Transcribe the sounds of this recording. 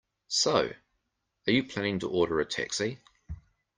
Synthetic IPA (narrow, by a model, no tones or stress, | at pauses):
səʊ | əjəpʰl̥ænɪ̃ŋtʰəʔɔːɾəɹətʰɛ̰ksi